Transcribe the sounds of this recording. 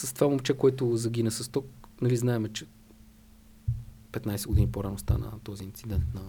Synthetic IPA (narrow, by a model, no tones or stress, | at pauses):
sə̥st̪ovamomt͡ʃɛkoɛt̪ʊzɐɡinɛsɐst̪ɔk̚nɐliznaɛmɛt͡ʃɛ̥ | pɛt̪najsɛɡoʊd̪inipoɾanʊst̪a̰nə̰t̪ɔziint̪sid̪ɛnt̪nɐ